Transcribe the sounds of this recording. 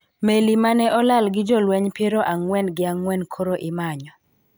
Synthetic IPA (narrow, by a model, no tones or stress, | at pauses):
melimanɛʔɔlalɡɪd͡ʒɔlwɛɲpjeɾoʔaŋwɛnɡɪaŋwɛnkʰoɾoʔɪmaɲɔ